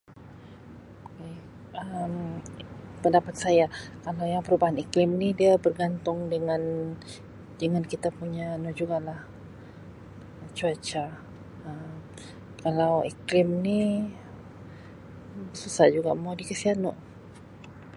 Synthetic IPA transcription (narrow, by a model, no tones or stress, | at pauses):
oke | əm | pəndapat̪̚sajakalawjaŋpəɾubaɦaniklɪmnidiabərɡant̪ʊŋdəŋan | dəŋankit̪apuɲanɔʔd͡ʒuɡalah | t͡ʃuat͡ʃa | əm | kalawḭklɪmni | bəsusaʔd͡ʒuɡa̰madikəsianɔʔ